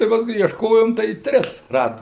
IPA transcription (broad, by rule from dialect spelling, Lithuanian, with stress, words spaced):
tɐɪ pɐsˈkʊɪ iɛʃˈkoːjoːm tɐɪ ˈtʲrʲɪs ˈrɑːdoːm